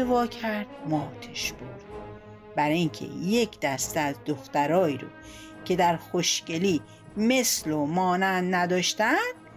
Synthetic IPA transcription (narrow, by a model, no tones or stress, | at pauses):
evɒːcʰæɾd̪̥̚mɒːt̪ʰeʃb̥oɾd̪̥ | bæɾiŋcʰḛje̞kʰd̪æst̪eæzd̪oxt̪æɾɒːiːɾo̰ | cʰe̞d̪æɾxoʃce̞liː | me̞slomɒːnænd̪næd̪ɒːʃt̪ænd̪̥